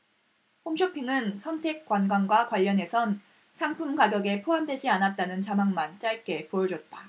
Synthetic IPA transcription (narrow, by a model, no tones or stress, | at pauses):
ɸomɕʰopʰiŋɯnsʰʌntʰe̞k̚k͈wanɡwanɡwakwaʎːʌnɦe̞sʰʌn | sʰaŋpʰumkaɡjʌɡe̞pʰoɦamdwe̞d͡ʑianat̚t͈anɯnt͡ɕamaŋmant͡ɕ͈aɭk͈e̞pojʌd͡ʑʌt̚t͈a